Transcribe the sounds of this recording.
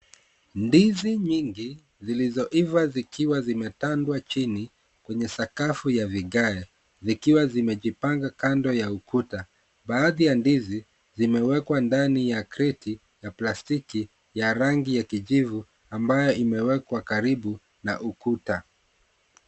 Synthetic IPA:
ndiziɲiŋɡi | zilizɔʔivazikiwazimɛtandwat͡ʃini | kwɛɲɛsakafujaviɠaɛ | zikiwazimɛʄipaŋɡakandɔjaukuta | baːðijandizi | zimɛwɛkwandanijakɾitʰi | japlastiki | jaɾaŋɡijakiʄivu | ambajɔʔimɛwɛkwakaɾiɓu | na̰ʔukuta

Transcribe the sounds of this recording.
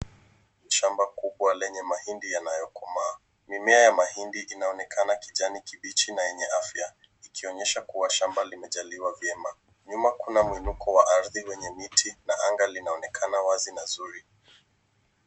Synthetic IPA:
ʃambakuɓwalɛɲɛmahindijanajɔkɔmaː | mimɛajamahindiʔinaɔnɛkʰanakiʄanikiɓit͡ʃinajɛɲɛafja | ikiɔɲɛʃakuwaʃambalimɛʄaliwavjɛma | ɲumakunamwinukʰɔwaʔaɾðiwɛɲɛmitʰinaʔaŋɡalinaɔnɛkʰanawazinazuɾi

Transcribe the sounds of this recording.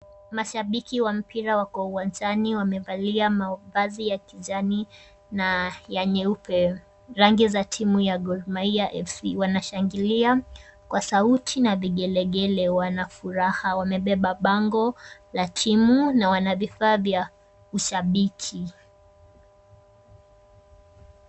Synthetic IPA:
maʃaɓikiwam̩pʰiɾawakɔuwand͡ʒaniwamɛvaliamavazijakiʄani | najaɲɛupɛ | ɾaŋɡizatʰimujaɡɔɾmaiaʔɛfsiwanaʃaŋɡiliakwasautʰinaviɠɛlɛɠɛlɛwanafuɾahawamɛɓɛɓaɓaŋɡɔlatʰimunawanavifaːvja | uʃaɓikʰi

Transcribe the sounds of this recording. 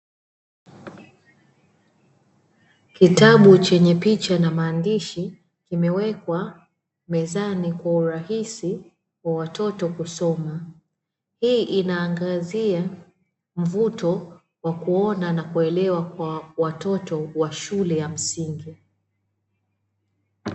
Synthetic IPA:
kitaɓut͡ʃɛɲɛpit͡ʃanamaːndiʃi | kimɛwɛkwa | mɛzanikwauɾahisi | wawatɔtɔkusɔma | hiːʔinaːŋɡazia | m̩vutɔ | wakuɔnanakuɛlɛwakwawatɔtɔwaʃulɛjam̩siŋɡi

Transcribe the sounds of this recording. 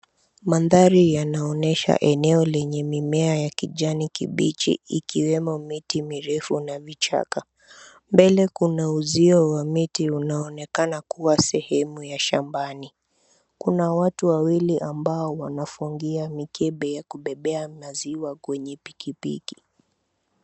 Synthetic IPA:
manðaɾijanaɔnɛʃa̰ʔɛnɛɔlɛɲɛmimɛajakiʄanikḭɓit͡ʃḭikiwɛmɔmitimiɾɛfunavit͡ʃa̰ka | mbɛlɛkunauziɔwamitiunaɔnɛkanakuwasɛhɛmujaʃambani | kunawatuwawiliʔambaɔwanafuŋɡiamikʰɛɓɛjakuɓɛɓɛamaziwakwɛɲɛpi̥kipḭki̥

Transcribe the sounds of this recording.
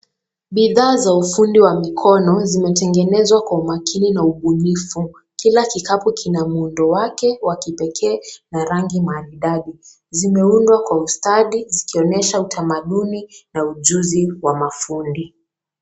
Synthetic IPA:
ɓiðaːzaufundiwamikʰɔnɔzimɛtɛŋɡɛnɛzwakwaumakʰininauɓunifu | kilakikapukʰinamuundɔwakɛwakipɛkʰɛːnaɾaŋɡimaliɗaɗi | zimɛundwakwaustaɗizikiɔnɛʃautʰamaɗuninauʄuziwamafundi

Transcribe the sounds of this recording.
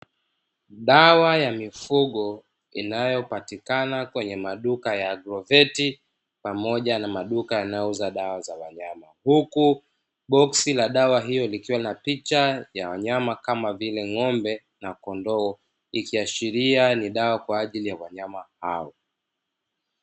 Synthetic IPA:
ɗawajamifuɠɔ | ḭnajɔpatikanakwɛɲɛmaɗukajaɡɾɔvɛti | pamɔʄanamaɗukajanajɔuzaɗawazawaɲamahuku | ɓɔksilaɗawaɦijɔlikiwanapit͡ʃajawaɲamakamavilɛŋɔmbɛ | nakɔndɔː | ikiaʃiɾianiɗawakwaːʄilijawaɲamaha̰ɔ

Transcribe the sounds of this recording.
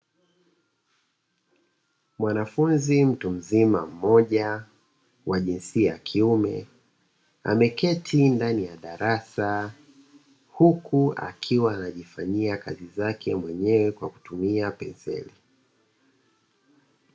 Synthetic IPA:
mwanafunzim̩tum̩zima̰m̩mɔʄa | waʄinsiajakʰiumɛ̰ | a̰mɛkɛtʰindanijaɗaɾasa | hukʰua̰kʰiwaːnaʄifaɲiakazizakʰɛmwɛɲɛwɛkwaku̥tumiapɛnzɛ̰li

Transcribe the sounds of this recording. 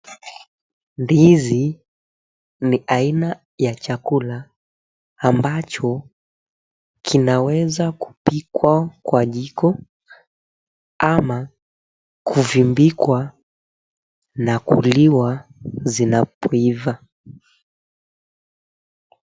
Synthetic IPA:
ndizi | niaina | jat͡ʃakulaː | mbat͡ʃɔ | kʰinawɛzaku̥pikwakwaʄikɔ | ama | kʰuvimbikwa | nakṵliwazinapɔiva

